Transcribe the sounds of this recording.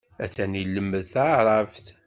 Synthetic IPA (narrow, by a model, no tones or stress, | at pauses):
æ̰θænilːəmːəðθaɾˤɑft̪